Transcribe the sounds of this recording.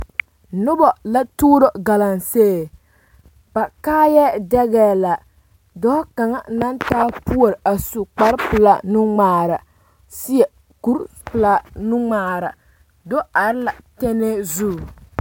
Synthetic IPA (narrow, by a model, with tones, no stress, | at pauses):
nʊ˦bɔ˨la˦tuː˦ɾo˦ɡa˨la˨nseː˦˨ | ba˨kaː˦jɛ˦dɛ˦ɣɛː˦la˨ | dɔ˦hka˨ŋa˦na˦ntaː˦pu˦o˨ɾa˨su˦k͡pa˦ɾpɨ˨la˦nu˦ŋ͡maː˨ɾa˨ | si˦jɛ˨ | ku˦ɾ | pɨ˨la˦nu˦ŋ͡maː˨ɾa˨ | do˦a˨ɾɨ˦la˨tɛ˦ne˦zu˦˨